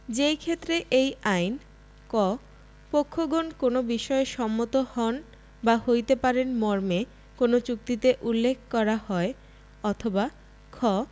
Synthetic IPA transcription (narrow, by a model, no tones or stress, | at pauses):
d͡ʑejkʰet̪ːɾeʔejajn | kɔ | pokʰːoɡonkonobiʃɔeʃɔmːot̪ohɔn | bahojt̪epaɾenmɔɾme | konot͡ɕuk̚t̪it̪eʔulːekʰkːɔɾahɔe | ɔt̪ʰoba | kʰɔ